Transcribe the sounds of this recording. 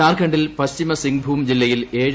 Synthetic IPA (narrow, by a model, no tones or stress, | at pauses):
aːrkɐɳɖilpɐst͡ɕimɐsiŋɡbʱuːmd͡ʑilːɐjileːɻ